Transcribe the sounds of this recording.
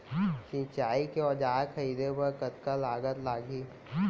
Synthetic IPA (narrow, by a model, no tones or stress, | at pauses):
t͡ʃɪ̃t͡ʃaːikeɔd͡ʒaːkʰɐiːd̪ebɐɾkət̪kalaːɡət̪laːɡi